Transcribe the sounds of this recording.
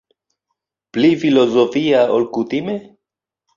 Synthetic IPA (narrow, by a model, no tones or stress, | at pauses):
plifilozofiaolkutime